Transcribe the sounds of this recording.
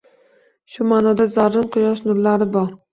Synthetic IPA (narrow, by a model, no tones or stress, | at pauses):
ʃʊmanɒd̪azaɾːɪnqʰʊjɒʃnʊɾlaɾɪbɒɾ